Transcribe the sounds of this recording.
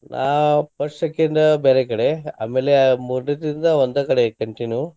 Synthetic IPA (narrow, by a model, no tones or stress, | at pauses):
nʔa̰ːpɐɾʂekːenɖbeːɾekɐɽea̰ːmeːlemuːɾnit̪ɾind̪ɐʋond̪ɐkɐɽekɐɳʈinju